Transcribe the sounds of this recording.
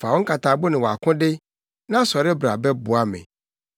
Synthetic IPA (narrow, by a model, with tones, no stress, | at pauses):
fa˨wo˦ŋ̩˦kʰa˨taː˨bo˦nɪ̃˨wɔ˨a˨kʰʊ̃˦dɪ˦ | nã˦sɔ˨ɾɪ˦bɾa̰˨bɛ˦bʊ˨a˦mɪ̰̃˨